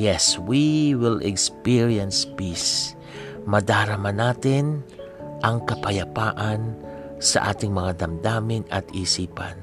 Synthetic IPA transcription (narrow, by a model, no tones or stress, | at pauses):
jɛswiwɪlɛkspiɹiɐnspis | mɐd̪aːɾɐmanaːt̪ɪnʔɐŋkɐpɐjɐpaːʔɐnsɐ̰ʔa̰ːt̪ɪŋmɐŋad̪ɐmd̪aːmɪŋɐ̰t̪isiːpa̰n